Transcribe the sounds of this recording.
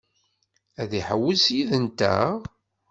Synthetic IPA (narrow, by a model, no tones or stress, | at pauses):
æðiħəwːəlsjiðənt̪æ̰